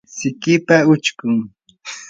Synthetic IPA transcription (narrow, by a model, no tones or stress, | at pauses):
sɪkɪpaʊt͡ʃkʊŋ